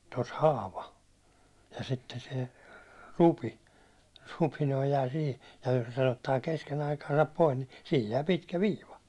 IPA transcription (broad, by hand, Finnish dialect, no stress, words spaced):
tos hɑːʋɑ jɑ sitːe se rupi rupi jæː sihi jɑ jos sen otːɑː kesken ɑikɑːsɑp pois ni sihij jæː pitkæ ʋiːʋɑ